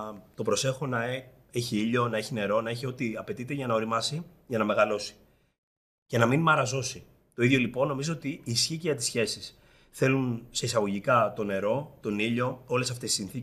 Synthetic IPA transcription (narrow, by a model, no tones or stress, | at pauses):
t̪o̞pɾo̞se̞xo̞nɐ | eçiiʎo̞nɐeçine̞ɾo̞nɐeçiot̪iɐpe̞t̪it̪e̞ʝɐnɐo̞ɾimɐsi | ʝɐnɐme̞ɣɐlo̞si̥ | ce̞nɐminmɐɾɐzo̞si | t̪o̞iðʝo̞lipo̞nːo̞mizoot̪iːsçiceʝɐt̪i̥sçe̞sis | θe̞lunse̞isɐɣo̞ʝikɐt̪o̞ne̞ɾo̞t̪o̞niʎo̞o̞le̞s̬ɐft̪e̞si̥sinθi